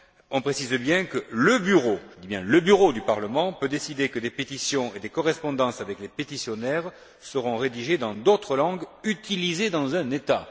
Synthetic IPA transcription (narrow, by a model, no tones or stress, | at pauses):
ɔ̃pχesizbjɛ̃kələbyʁoʒd̪ibjɛ̃ləbyʁod̪ypaʁləmɑ̃pød̪esid̪ekəd̪epet̪isjɔ̃ed̪ekɔʁɛspɔ̃d̪ɑ̃savɛklepet̪isjɔnɛʁ | səʁɔ̃ʁed̪iʒed̪ɑ̃d̪ot̪χəlɑ̃ɡyt̪ilized̪ɑ̃zɛ̃net̪a